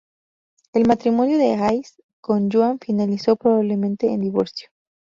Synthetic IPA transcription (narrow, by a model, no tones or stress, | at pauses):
e̞lmat̪ɾimo̞njo̞ðeɣajs | ko̞nd͡ʒoaɱfinaliso̞pɾoβaβle̞mẽ̞nt̪e̞ːnd̪iβo̞̰ɾsjo̥